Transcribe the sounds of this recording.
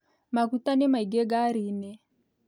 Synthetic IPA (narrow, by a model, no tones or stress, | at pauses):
makut̪anɛmaiɡɛɡaɾinɛ